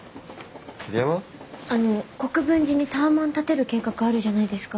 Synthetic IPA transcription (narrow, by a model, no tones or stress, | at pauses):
sɨɾeaβaano̞ko̞kɯ̟bɯ̟̃ɲ̟d͡ʑiɲ̟it̪aːmãnt̪at̪e̞ɾɯ̟ke̞ːkakɯ̟aɾɯ̟ʑanaid̪e̞sɨ̥ka